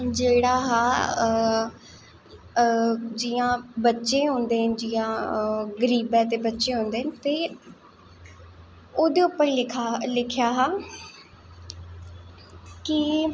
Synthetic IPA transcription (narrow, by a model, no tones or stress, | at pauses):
d͡ʒeːɽaːɦaː | d͡ʒɪːjãːbətːʃẽːɦõːnd̪eːɦənɪd͡ʒijãːɡəɾiːbɛːt̪̬eːbətːʃẽːɦõːnd̪eːɦənɪt̪eː | oːd̪eːʊpːəɾlɪkʰalɪkʰjaːɦãː | ki